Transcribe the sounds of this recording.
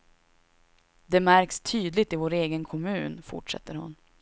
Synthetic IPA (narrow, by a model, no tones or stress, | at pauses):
d̪ɛmæɾkst̪ʰyːd̪lɪt̪ɪvoːɾeːɡənkʰɔmʉ̟ːnfʊ̰ʈʂɛ̰t̪ːəɾhʊ̰n